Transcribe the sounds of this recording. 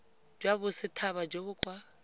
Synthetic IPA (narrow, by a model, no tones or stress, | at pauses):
d͡ʒwabʊsɪtʰaβad͡ʒoβʊːǃʼwa